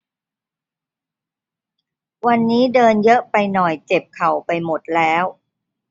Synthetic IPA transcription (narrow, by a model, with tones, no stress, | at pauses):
wa˧nːiː˦˥dɤː˧njɤ˦˥ʔpa˧jnɔ˨˩jt͡ɕe˨˩p̚kʰa˨˩wpa˧jmo˨˩t̪̚lɛː˦˥w